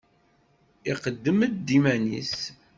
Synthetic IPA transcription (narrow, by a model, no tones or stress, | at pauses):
iqəd̪ːəmd̪d̪imænḭs